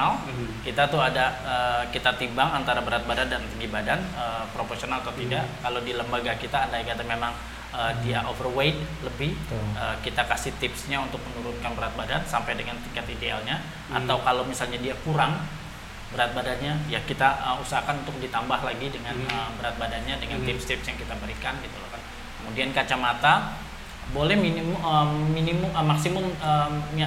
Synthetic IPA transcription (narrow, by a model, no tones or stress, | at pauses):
al | kit̪at̪uadaəkit̪at̪imbaŋant̪aɾabəɾat̪̚badandant̪əŋɡibadanəpɾoporsionalat̪awt̪idaʔkalawdiləmbaɡakit̪aːndajakat̪amemaŋ | əːdiaʔovərwejt̪̚ləbɪhəkit̪akasɪht̪ɪpsɲaunt̪ʊk̚mənuɾʊnkanbəɾat̪̚badansampajdəŋant̪iŋkat̪idea̰lɲa | ʔa̰t̪awkalawmisalɲadiakuɾaŋ | bəɾat̪̚badanɲajakit̪aəusaɦakanunt̪ʊk̚dit̪ambahlaɡidəŋanəmbəɾat̪̚badanɲadəŋant̪ɪpst̪ɪpsjaŋkit̪abəɾikanɡit̪ulohkan | kkəmudiankat͡ʃamat̪a | bolɛhminməminimʊməmaksimʊmə